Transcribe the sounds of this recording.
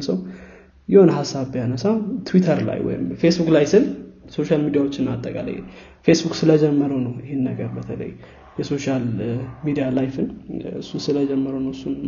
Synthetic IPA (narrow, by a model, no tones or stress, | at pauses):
səw | jɪho̞nɦasːabjanəsawt̪ʰwit̪ʰəɾla̰jwɔ̰jɪ̰mfe̞sbuklajsɨlso̞ʃalmid̪ijawot͡ʃːɪnat̪ʼːəkʼa̰lə̰j̰ | fe̞sbukʼsɨləd͡ʒɛmːəɾəwnəwɪhenːəɡəɾbət̪ʰələ̰jː | ɛso̞ʃalmid̪ijalajfɨnɨ̰sːusɨləd͡ʒɛmːəɾəwnəwɨsːun